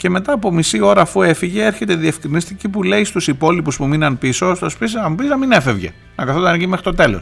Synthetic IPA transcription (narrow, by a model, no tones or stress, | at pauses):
ce̞me̞t̪ɐːpo̞misio̞ɾɐːfue̞fiʝe̞eɾçe̞t̪e̞ðiefkɾinist̪icipule̞ist̪usipo̞lipuspuminɐnpiso̞st̪o̞spisnɐmupiznɐmine̞fe̞vʝe̞̰ | nɐkɐθot̪ɐnʝime̞xɾit̪o̞t̪e̞lo̞̰s